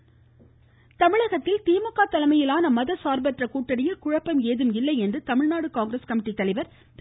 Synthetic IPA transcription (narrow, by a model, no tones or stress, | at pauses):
t̪ɐmɪɻɐɣɐt̪ːɪlt̪iːmɐkːaːt̪ɐlɐmɐjɪlaːnɐmɐðɐsaːɾbɐʈrɐkuːʈːɐɽɪjɐkʊɻɐpːɐmeːðɯmɪlːɐɪɛndrɯt̪ɐmɪɻnaːɽɯkaːŋɡɾeskɐmɪʈːit̪ːɐlɐɪʋɐɾ | t̪